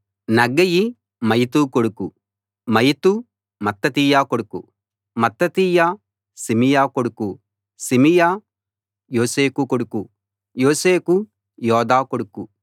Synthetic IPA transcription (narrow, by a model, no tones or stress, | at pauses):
nɐɡɐji | mɐjt̪̬uːkoɽuku | mɐjt̪u | mɐt̪ːɐt̪iːjaːkoɽukṵ | mɐt̪ːɐt̪iːjaː | simijaːkoɽuku | simijaː | joːseːkukoɽuku | joːseːku | jɔːd̪aːkoɽuku